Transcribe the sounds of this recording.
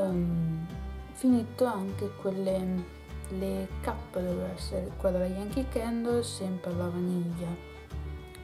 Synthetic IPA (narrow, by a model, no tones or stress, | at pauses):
finit̪ːoaŋkekwelːe | lekapːad̪oasekwad̪olajaŋkikːɛnd̪osɛmpɾalavaniʎːa